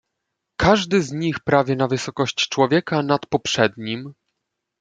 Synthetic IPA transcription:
kʰaʐd̪ɘzɲixpɾavʲjɛnavɘsɔkɔɕt͡ɕt͡ʂwɔvʲjɛkanat̪pɔpʂɛd̪ɲim

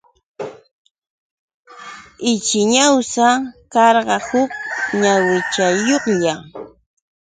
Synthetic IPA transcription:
ɪt͡ʃɪɲawsakɑɾɢɑhʊk̚ɲawɪt͡ʃajoχja

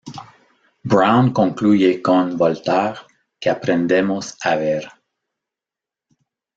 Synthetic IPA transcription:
bɾawnkõŋklujekõnbolt̪aʁ | keapɾẽnd̪emosaβɛɾ

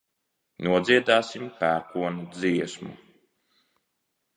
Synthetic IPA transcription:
nuɔd̪zʲiɛd̪aːsimpæːkuɔnud̪ziɛsmṵ

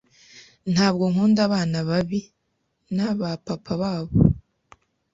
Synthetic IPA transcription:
n̥haːbɡoŋ̥uːndaβaːnaβaβi | naβapapʰaβaːβo

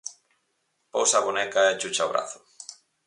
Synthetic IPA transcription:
po̰wsaβonɛkaet͡ʃut͡ʃaoβɾa̰θʊ̥

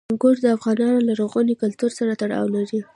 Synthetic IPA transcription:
ŋɡoʈd̪əafɣɑnɑnolaɾoɣɑnikʊlt̪uɾsaɾat̪aɽɑ̰wlaɾi

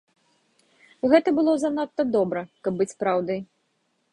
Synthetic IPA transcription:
ɣɛt̪ɐbɨlˠɔzanat̪ːɐd̪ɔbɾɐkɐbːɨt͡sʲpɾawd̪ɨj

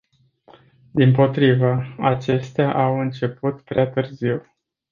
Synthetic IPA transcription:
d̪impo̞t̪ɾivəat͡ʃe̞st̪eaʔawɨnt͡ʃe̞put̪pɾeat̪ɨrziw

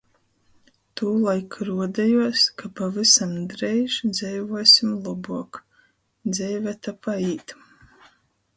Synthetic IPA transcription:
t̪uːlˠajkɾuɔd̪ɛjuɔskapavisamd̪ɾɛjʒd̪zʲɛjvuɔsʲimlˠɔbuɔk | d̪zʲɛjvɛt̪apaiːt̪

